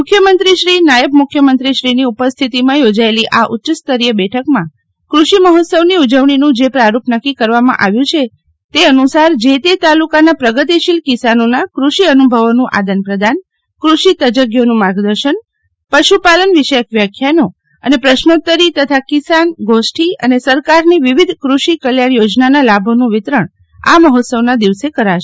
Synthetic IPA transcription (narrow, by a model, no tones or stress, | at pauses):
mʊkʰːjəmənt̪ɾiʃɾinajəb̚mʊkʰːjəmənt̪ɾiʃɾiniupəst̪ʰit̪imãjod͡ʒaeliʔaʔutːt͡ʃəst̪əɾijəbɛʈʰəkmã | kɾuʃiməɦot̪səʋniud͡ʒəʋɳ̃inũd͡ʒepɾaɾupnəkːikəɾʋamã̰ʔaʋjũt͡ʃʰe | t̪eənusaɾd͡ʒet̪et̪alukanapɾəɡət̪iʃilkisanonakɾuʃiənubʱəʋonũʔa̰d̪ənpɾəd̪an | kɾuʃit̪əd͡ʒəɡjonũmaɡd̪əɾʃən | pəʃupalənʋɪʃəjəkʰʋjakʰjanũ | ənepɾəʃnot̪ːəɾit̪ət̪ʰakɪsanɡosʈʰiə̰nesəɾkaɾniʋiʋid̪ʱkɾuʃikəljaɳjod͡ʒnanalabʱonũʋɪt̪ɾəɳ | a̰məɦot̪səʋnad̪iʋsekəɾaʃ